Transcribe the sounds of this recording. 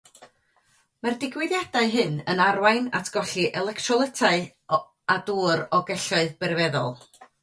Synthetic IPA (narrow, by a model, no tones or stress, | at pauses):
mardɪɡwɪðjadaɨɦɨnənarwajna̰tʰɡ̥ɔɬiʔɛlˠɛktʰrɔlˠɛtʰaɨ | aduːɾɔɡɛɬɔɨðbɛrvɛðɔ̰lˠ